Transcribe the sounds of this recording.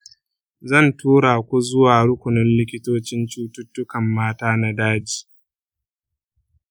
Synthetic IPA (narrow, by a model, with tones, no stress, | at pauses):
zɐ˦˨ntʰuː˦ɽaː˨kʷu˦zʊ˦waː˨ɽʊ˦kʷʊ˨nʊ˦nlɪ˦kʲɪ˦toː˦t͡ʃɪ˦nt͡ʃuː˦tʊ˦tːʊ˦kɐ˨mːaː˦taː˦na˦daː˦d͡ʒiː˨